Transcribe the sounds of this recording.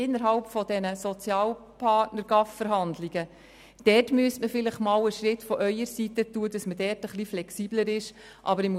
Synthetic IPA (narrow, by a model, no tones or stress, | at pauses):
ɪnːəɾɦɑlpfɔdɛnəsɔt͡sjɑːlpʰɑtnəɾɡɑffəɾɦɑndliɡ̥ə | d̥ɛrtmyəstməfɪlɪχmɑːləʃɾɪtfɔʔœʏəɾsitətuːəd̥ɑsmədɛːɾtəχliflɛksiːbləɾɪʃ | ʔɑ̰bəɾɪm